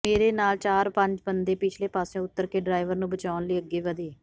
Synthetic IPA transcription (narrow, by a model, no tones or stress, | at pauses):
meːɾeːnaːlt͡ʃaːɾpə̃ɲd͡ʒbənd̪eːpɪt͡ʃʰleːpaːsõːʊt̪ːəɾkeːɖɾaːɪʋəɾnũːbət͡ʃaːnləiːəɡːeːʋəd̪eː